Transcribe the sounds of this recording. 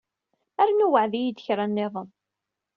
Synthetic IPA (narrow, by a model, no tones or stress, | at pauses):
æɾnuwəʕðijid̪əçɾˤanːeðˤən